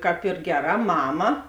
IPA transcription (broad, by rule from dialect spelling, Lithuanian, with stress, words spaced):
ˈkɑːp ˈiːr ˈɡʲæːˌrɑː ˈmɑːmɐ